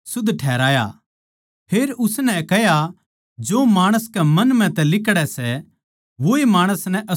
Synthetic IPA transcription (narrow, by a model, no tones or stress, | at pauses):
sʊd̪ʱʈʰɛːɾaːja̰ | pʰeːɾʊsnɛkɛɦja | d͡ʒoːmaːɽ̃əskɛmɐnmɛ̃t̪ɛ̃lɪkɽɛsɛ | ʋoːemaːɽ̃əsnɛʔɐ